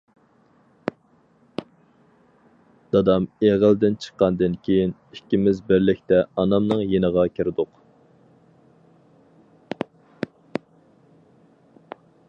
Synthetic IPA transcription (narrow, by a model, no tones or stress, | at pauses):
d̪̥ɑd̪ɑmeʁəld̪ɪnt͡ʃʰə̥qːɑnd̪ɪnkʲʰejinikʲːimɪzbɪɾlɪkʲt̪ɛɑnɑmnɨŋjenəʁɑkʲʰiɾɪd̪ʊq